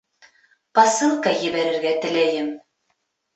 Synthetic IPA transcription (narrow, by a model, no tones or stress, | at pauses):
pɑsɤlˠkɑjɘ̆βæɾɘ̆ɾɡæt̪ɘ̆læjɘm